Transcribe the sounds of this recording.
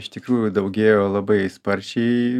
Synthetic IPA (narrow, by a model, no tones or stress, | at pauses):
ɪʃt̪ʲɪkɾuːjʊd̪ɐʊɡʲeːjoːlˠɐbɐɪspɐɾʲt͡ʃʲɛɪ